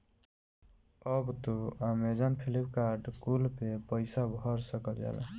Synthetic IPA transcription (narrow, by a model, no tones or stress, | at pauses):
əbt̪oəmed͡ʒanpʰilipkaɾɖkulpepəɪsabʱɔɾsəkəld͡ʒa̰la̰